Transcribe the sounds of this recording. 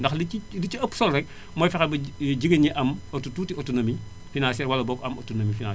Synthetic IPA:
ndɐxliiliciɐpːsɔlrɛk̚ | mɔːjfɛxɛbɐɟiɡəɲiʔɐmotutuːtiotːunɐmi | finaːnsɛːɾwɐlɐbɔkɐmotːunɐmifinã

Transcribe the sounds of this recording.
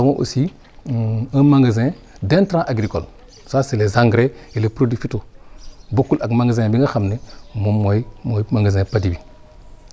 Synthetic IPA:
amoʔo̰si | amaŋɡezẽ | dentɾãʔaɡɾiko̰l | saselezãŋɡɾeilepɾodifitobokulaɡmaŋɡezẽbiŋɡaxamnemomoimoimaŋɡezẽpadibi

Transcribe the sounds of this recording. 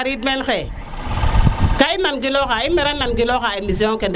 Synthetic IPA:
ɾit̚menxe | kainanɡilokaimeɾananɡilokaemis̬ioŋkend

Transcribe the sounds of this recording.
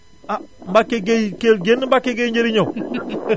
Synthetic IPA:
ambakeɡejkelɡenmbakeɡejɲd͡ʒeɾiɲo

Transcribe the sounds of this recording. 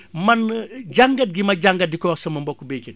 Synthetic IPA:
mɐnɟaŋɡɐt̚ɡimɐɟaŋɡɐt̚dikɔwɐsɐmɐmbɔkːubekin

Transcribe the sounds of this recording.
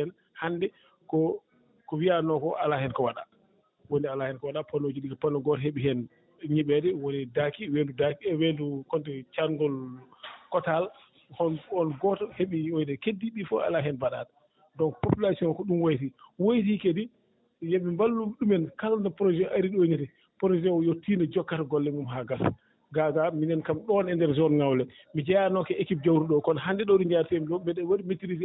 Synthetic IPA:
ɛn | handɛ | kɔ | kɔwianɔkɔʔalahɛnkɔwaɗa̰ | wondialahɛnkɔwaɗapʰɔnod͡ʒuɗikɔpanɔɡɔtɔheɓiɦɛn | ɲiɓɛdɛwonidakiwendudakiɛwendukɔntɛt͡ʃaŋɡɔlkɔtal | hɔnɔnɡɔtɔheɓiwojdɛkedːiɓifɔa̰laɦɛnbaɗaːta | dɔŋkpopulasiɔnkɔɗumwojtiwojt̬ikedi | jeɓimbalːuɗumɛnkalandɛpɾɔd͡ʒɛʔaɾiɗoɲitɛ | pɾɔd͡ʒɛwjotʰːiːnɔd͡ʒɔkːataɡɔlːɛmumɦaɡas | ɡaɡaminɛnkamɗɔnɛndɛɾzɔnŋawlɛ | mid͡ʒajanɔkɛekip̚d͡ʒawɾuɗɔkɔnɦandɛɗɔɗuɲd͡ʒaɾtɛmɗɔbɛɗɛwaɗimitiɾiz

